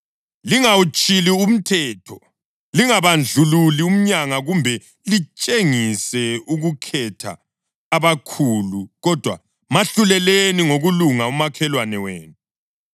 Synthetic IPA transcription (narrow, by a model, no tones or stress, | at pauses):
liŋawut͡ʃʼilium̩tʰɛːtʰɔ | liŋaβand͡ɮʱululium̩ɲaŋaɣumbʱɛ | lit͡ʃʼeŋisɛuɣukʰɛtʰa̰ː | βakʰuːluɣɔd̥ʱwa̰ | maɬulɛleniŋoɣuluŋaumakʰɛlwanɛweːnu